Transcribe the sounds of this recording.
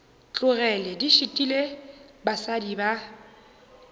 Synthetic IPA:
t͡ɬʼʊɣɛlɛdiʃitʼilebasadiba

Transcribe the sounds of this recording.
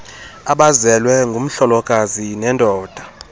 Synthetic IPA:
aɓazɛlwɛŋɡʱum̩ɬɔlɔkʼazinɛndʱɔːd̥ʱa

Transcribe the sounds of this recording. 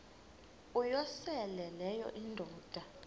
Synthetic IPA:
ujɔsɛlɛlɛjɔ̰ʔindʱɔːd̥ʱa

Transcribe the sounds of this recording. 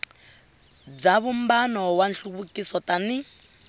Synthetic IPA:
b͡ʐaβumbanɔwanɬuβukisɔtani

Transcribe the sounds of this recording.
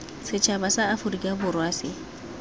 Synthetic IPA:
set͡ʃabasaafuɾɡʲabʊɾwase

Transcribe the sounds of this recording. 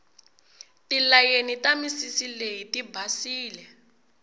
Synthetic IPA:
tilajenitamisisilejitibʱasiːlɛ

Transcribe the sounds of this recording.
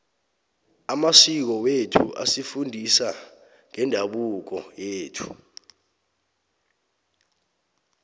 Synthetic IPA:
amasik̬ɔwetʰṵʔa̰sifundʱisa | ŋɛndʱaɓuk̬ɔjeːtʰu̥

